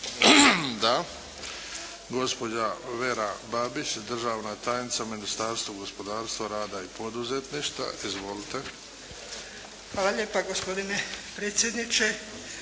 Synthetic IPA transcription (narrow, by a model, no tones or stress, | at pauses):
d̪a | ɡo̞spo̞d͡ʑaʋe̞ɾabaːbit͡ʃd̪r̩ʒaːʋnat̪aːjnit̪saminist̪aːɾst̪vuɡo̞spo̞d̪aːɾst̪ʋaɾaːd̪aipo̞d̪uzet̪niʃt̪a̰ʔizʋo̞lit̪e̞ | xʋaːlaʎeːpaɡospo̞d̪inepɾeːt̪sʲje̞d̪nit͡ʃe